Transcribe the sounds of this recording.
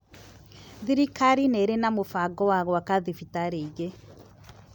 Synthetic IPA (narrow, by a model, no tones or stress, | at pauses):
ðiɾikaɾineɾenamofaɡɔwaɣɔwakaðifitaɾeiɣe